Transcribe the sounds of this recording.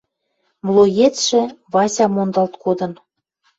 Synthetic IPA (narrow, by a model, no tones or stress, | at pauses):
mlˠojetʃĕβɑsʲɑmond̪ɑlt̪kod̪ɤ̆n